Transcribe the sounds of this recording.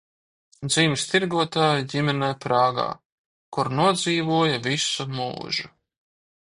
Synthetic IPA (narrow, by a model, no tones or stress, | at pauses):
d̪ziːmʲst̪iɾɡuɔt̪aːjiɟimʲɛnɛjpɾaːɡa̰ː | kuɾnuɔd̪ziːvuɔjavisumṵːʒu